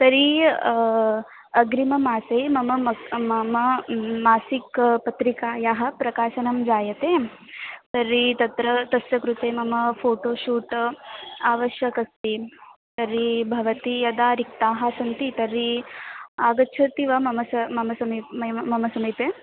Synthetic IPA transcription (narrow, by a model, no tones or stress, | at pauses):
t̪ɐɾi | ɐɡɾimɐmaːsejmɐmɐɐmɐmɐmaːsikpɐt̪ɾikaːjaɦɐ̆pɾɐkaːʃɐnɐmd͡ʒaːjɐt̪eː | t̪ɐɾːit̪ɐt̪ɾɐt̪ɐsjɐkɾut̪eːmɐmɐpʰoːʈoːʃuːʈ | aːʋɐʃjɐkɐst̪i | t̪ɐɾibʱɐʋɐt̪ijɐd̪aːɾik̚t̪aːɦɐsɐnt̪it̪ɐɾːi | aːɡɐːt͡ʃʰɐt̪iʋɐmɐmɐsɐmɐmɐsɐmiɐmɐmɐsɐmip̪eː